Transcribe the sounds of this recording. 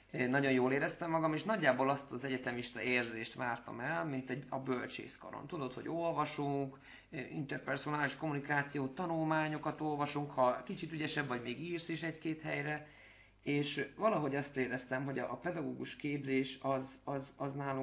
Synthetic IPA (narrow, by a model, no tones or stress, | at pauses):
nɒɟo̞njoːleːɾɛst̪ɛmːɒɡɒmeːʃnɒɟːaːboːlɒst̪ɒzɛɟɛt̪ɛmiʃt̪ɒ̰ʔeːrzeːʃt̪ʋaːrt̪ɒ̰mɛlmint̪ɛɟɒbølt͡ʃḛːsko̰ɾo̰nt̪ud̪o̞t̪ho̞̰ɟo̞lvɒʃuŋk | ḭnt̪ɛrpɛrsonaːliʃko̞munikaːt̪sijoːt̪ɒnulmaːɲo̞kɒt̪o̞lvɒʃuŋkhɒkit͡ʃit̪yɟɛʃɛbvɒɟmeːɡiːrsiʃɛckeːt̪hɛjɾɛ | eːʃvɒlɒɦo̞ɟɒst̪eːɾɛst̪ɛmɦo̞ɟɒpɛd̪ɒɡoːɡuʃkeːbzeːʃɒzɒzɒznaːlu